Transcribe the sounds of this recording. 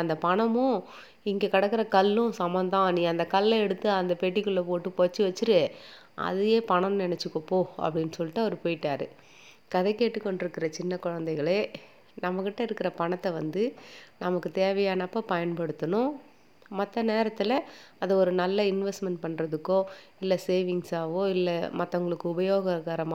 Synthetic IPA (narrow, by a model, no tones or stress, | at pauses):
ɐnd̪ɐpɐɳɐmʊ̃ | ɪŋɡekɐɽɐkːɯɾɐkɐlːʊ̃sɐmɐ̃nd̪ãːnĩːɐnd̪ɐkɐlːɐɛɽɯt̪ːɯɐnd̪ɐpeːʈːikɯlːɐpoːʈːɯpoːt͡ʃːɯʋɐt͡ʃːɯɾɯe | ʔɐ̰ðɯjeːpɐɳɐmnɪnɛt͡ʃːɯkːõpːoːɐ̰pːɐɽɪnːɯsɔlːɪʈːɐɔɾɯpoːjɪʈːaːɾɯ̰ | kɐðɐɪkːeːʈːɯkːɔɳɖɪɾɯkːɪɾɐt͡ʃɪnːɐkʊɻɐnd̪ɛɪɣɐɭeː | nɐmːɐkːɪʈːɐɪɾɯkːɪɾɐpɐɳɐt̪ːɐʋɐnd̪ɯnɐmɐkːɯt̪eːʋɐjaːnɐpːɐpɐjɐnpɐɽɯt̪ːɐnʊ̃ | mɐt̪ːɐneːɾɐt̪ːɯlɐɐðɐɔɾɯnɐlːɐɪnʋɛsʈmɛɳʈpɐɳːɾɐðɯkːõː | ɪlːɛseːʋɪŋsaːʋõːɪlːɛmɐt̪ːɐʊŋɡɐɭɯkːɯʊbɐjoːɣɐɣaːɾɐmː